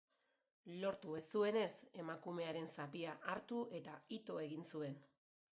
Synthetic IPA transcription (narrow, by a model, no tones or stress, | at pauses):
lo̞ɾt̪ue̞sue̞ne̞se̞makume̞aɾe̞nsapiaʔaɾt̪ue̞t̪ait̪o̞e̞ɣinsue̞n